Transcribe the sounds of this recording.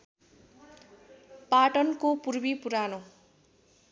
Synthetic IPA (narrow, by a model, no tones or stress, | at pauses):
paʈʌnkopurbipuɾano